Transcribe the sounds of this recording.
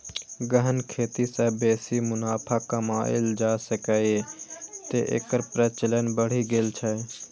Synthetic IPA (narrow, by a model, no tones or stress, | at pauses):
ɡəɦənkʰeːt̪isɛbeːsimʊnaːpʰakamaːɪ̰ld͡ʒaːsəkaːet̪eʔḛːkəɾpɾɛːt͡ʃələnbəɽ̤iɡeːlt͡ʃʰɛ